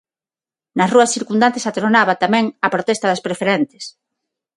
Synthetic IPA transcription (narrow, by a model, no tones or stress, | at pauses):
nɐsruɐsθiɾkund̪ant̪esat̪ɾonaβat̪amɛ̃ŋɐpɾot̪ɛst̪ɐðɐspɾefeɾɛnt̪ɪ̥s